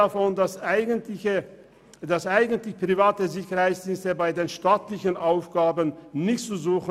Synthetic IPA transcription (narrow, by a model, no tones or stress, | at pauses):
afɔndasaɪɡəntlɪçə | d̥asʔaɪɡən̩tlɪçpʁ̥ivaːtəzɪçɐʁhaɪt͡ssd̥iːnstəbaɪdeːnʃtaːtlɪçənʔaʊfɡ̥aːbənnɪçtt͡suzuːx